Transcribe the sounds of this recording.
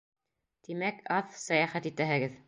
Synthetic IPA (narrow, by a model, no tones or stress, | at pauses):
t̪imækʰɑθsɑjɑχæt̪it̪æɦɘ̆ɡɘð